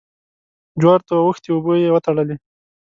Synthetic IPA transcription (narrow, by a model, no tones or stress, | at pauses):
d͡ʒwɑɾt̪awəxt̪iubojewət̪aɽəli